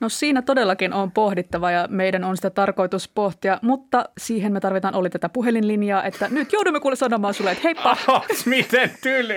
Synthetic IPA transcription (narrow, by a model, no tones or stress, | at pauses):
nosiːnæt̪odelːɑkinʔompohdit̪ːɑʋɑjɑmejdænonsi̥t̪æt̪ɑrko̞jt̪uspoht̪iɑmut̪ːɑsiːɦenmet̪ɑrʋit̪ɑnʔolːit̪æt̪æpuɦelinlinjɑːʔet̪ːænyt̪jouduimːekulːesɑnomɑːnsulːeet̪heippɑɑsmit̪ent̪ylʲ